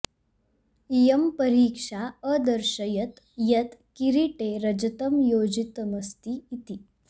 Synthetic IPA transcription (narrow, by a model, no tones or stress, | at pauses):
ijəmpəɾiːkʂaəd̪əɾʂəjɐt̪ | jɐt̪kiɾiʈeɾɐd͡ʒɐt̪əmjod͡ʑit̪məst̪iit̪iː